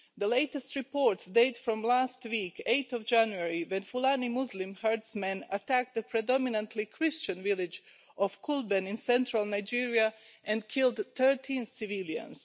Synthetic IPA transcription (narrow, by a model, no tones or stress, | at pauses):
d̪əleɪtɛstɹipɔɹtsdeɪtfɹɔ̃mlastwiːkʰeɪt̪ɔvd͡ʒæ̃njuɛɹiwɛ̃nfulanimuzlɪ̃mhəɹdsmɛ̃natæk̚t̪̚d̪əpʰɹɛdɔminãntʰlikʰɹɪst͡ʃə̃nvɪlˠɪd͡ʒ | ʔɔfkʰulˠbɛ̃nɪ̃nsɛ̃ntʰɹalˠnaɪd͡ʒiɹiaʔɛ̃ndkʰɪlˠdt̪ə˞tʰĩnsɪvilˠjã̰ns